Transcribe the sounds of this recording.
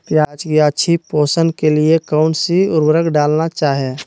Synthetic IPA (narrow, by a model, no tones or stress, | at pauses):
pjaːd͡ʒkiat͡ʃʰipoːsənkeliekaʊɳsiʊɾbɾəkɖaːlnat͡ʃaːɦie